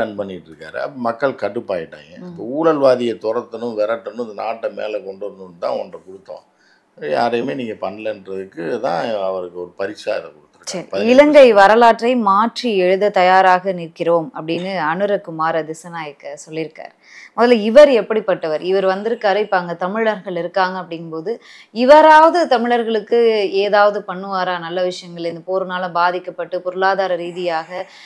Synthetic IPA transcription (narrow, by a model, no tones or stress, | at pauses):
kɐɳpɐnːɪʈːɾɯkːaːɾɯ̰ɐ̰pːɐmɐkːɐɭkɐʈːɯpːaːjɪʈːa̰ːŋɡɐɪpːɐuːɽɐlʋaːðɪjɐt̪ɔɾɐt̪ːɐnɯmʋɛɾɐʈːɐnɯ̃ɪnd̪ɐnaːʈːɐmḛːlɐkɔɳɖɯɾɯnd̪ɯnt̪ã̰ːɔndrɐkɔɽɯt̪ːɐ̰̃ | ja̰ːɾemeːniːŋɡɐpɐɳːɐlɐndɾɐðɯkːɯt̪ã̰ːɐʋɐɾɯkːɯɔɾɯpɐɾɪt͡ʃːa̰ːɪðɐkɔɽɯt̪ːɯɾksɐɾiɐɪlɐŋɡɐɪʋɐɾɐlaːʈrɐɪmaːʈriɛɻɯðɐt̪ɐjaːɾaːɣɐniɾkɪɾoːmɐpːɐɽɪnːɯɐɳɯɾɐkːɯmaːɾɐd̪ɪsɐnaːjɐkːɐsɔlːɪɾɯkːa̰ːɾ | mɔðɐlɐɪʋɐɾɛpːɐɽipːɐʈːɐʋɐɾɪʋɐɾʋɐnd̪ɪɾɯkːaːɾɐɪpːaːŋɡɐt̪ɐmɪɻɭɐɾɣɐɭɪɾɯkːaːŋɡɐɐpːɐɽɪnpoːðɯ | ɪʋɐɾaːʋɐðɯt̪ɐmɪɭɐɾɣɐɭɯkːɯeːðaːʋɐðɯpɐɳːɯʋaːɾaːnɐlːɐʋɪʂɐjɐŋɡɐɭɛnd̪ɐpoːɾɯnaːlɐ̃baːðɪkːɐpːɐʈːɯpɔɾɯlaːðaːɾɐɾiːðɪjaːɣɐ